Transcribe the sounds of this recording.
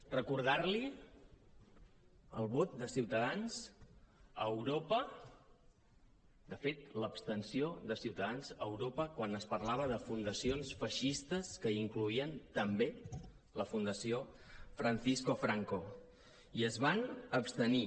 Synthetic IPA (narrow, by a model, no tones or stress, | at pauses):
rəkuɾð̞aɾli | ə̰lˠβot̪̚d̪əsiwt̪əðanz̥ | əwɾopə | d̪əfet̪̚ləpst̪ənsioðəsiwt̪əðanzəwɾopəkwanəspəɾlaβ̞əðəfund̪əsionsfəʃist̪əskəiŋkluiənt̪əmbe | ləfund̪əsio | fɾənθiskofɾaŋko | iəzβanəpst̪əni